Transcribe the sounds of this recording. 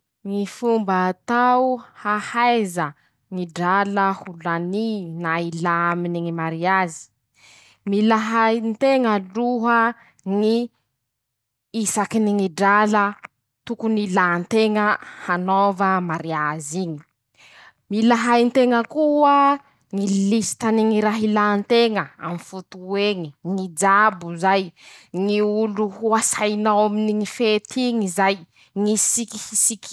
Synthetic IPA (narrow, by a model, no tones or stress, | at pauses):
ŋifumbət̪awuhahajzə | ŋiɖ͡ʐaləhulaninailaaminiŋimaɾiazi̥ | milaɦajnt̪eŋəluɦə | ŋi | isakiniŋiɖ͡ʐalə | t̪ukunilant̪eŋəhanovəmaɾiaziɲi̥ | milaɦajnt̪eŋəkuə | ŋilisi̥t̪aniŋiɾaɦilant̪eŋəa̰mifut̪ueŋiŋid͡ʒabuzajŋiuluhuasajnawaminiŋifet̪ʰiŋizaj | ŋisikihisik